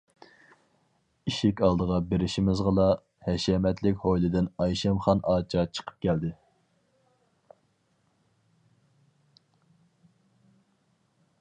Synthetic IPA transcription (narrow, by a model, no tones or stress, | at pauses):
iʃɪkʲɑlˠd̪əʁɑbeɾɪʃimɪzʁəlˠɑ | hɛʃɛmɛt̪lɪkʲhojlˠɪd̪ɪnɑjʃɛmχɑnʔɑːt͡ʃʰɑt͡ʃʰə̥qʰə̥p̚kʲʰɛld̪ɪ